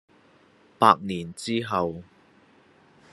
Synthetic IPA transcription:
paː˧k̚niː˨˩nt͡siː˥ɦɐ˨w

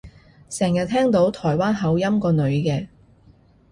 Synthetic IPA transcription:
sɛː˨˩ŋjɐ˨t̪ʰɛː˥ŋt̪o˨˥wt̪ʰɔː˨˩jwaː˥nɦɐ˨˥wjɐ˥mkɔː˧nɵ˨˧ɥkɛː˧

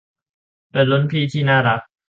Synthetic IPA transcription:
pe˨nlo˦˥npʰiː˥˨t̪ʰiː˥˩˨naː˥˩ɾa˦˥k̚

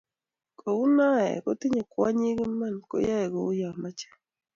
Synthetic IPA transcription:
kʰo˨u˦na˦ɛ̰˨kɔ˦tɪ˦ɲe˨kwa˦ɲi˦ɡi˦ma˦˨nko̰˦ja˦ɛ˨ɡo˨u˦ja˨ma˦t͡ʃɛ̥˦˨

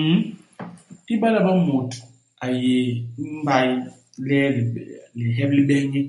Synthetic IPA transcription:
ti˦ɓa˦la˦˨ba˦mo˨tu̥˨ | a˨je˨˦ba˦j | lɛ˦lli˨ɦɛ˦bli˦ɓɛ˦ɲi˦

